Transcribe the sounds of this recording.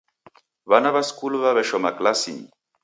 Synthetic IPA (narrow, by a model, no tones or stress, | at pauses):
βanaβaskulβaβeʃɔmaklasḭ